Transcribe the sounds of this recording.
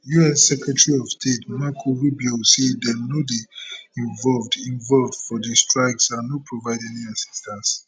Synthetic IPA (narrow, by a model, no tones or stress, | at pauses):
juɛsɛkɹɛtɹiɔv̥stʰetmakʰoɹubiosedɛtnodiĩɱvɔlvdĩnvɔlvd̥fɔdistʰɹajksanopʰɹovaɪdɛniasi̥stʰə̃ns